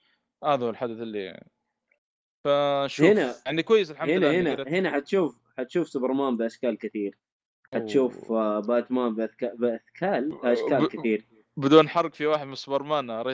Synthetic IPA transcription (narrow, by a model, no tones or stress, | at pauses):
ʔaðlħad̪aθɪlːḭa̰ʕni | faʃhɪnaaʕnikwajːɪsalħamhɪnːahɪnahɪnaħat̪ʃuːf | ħat̪ʃuːfsʊbɑɾˤmaːmbɪʔaʃkaːlkɪt̪iːɾ | ħat̪ʃuːfbaːt̪maːmbʔakabɪʔaθkʰaːlʔaʃkaːkɪθiːɾ | bɪd̪uːnːħɑrˤːɪkfiwaːħɪd̪mɪnsʊbɑɾˤmaːnɾˤɑ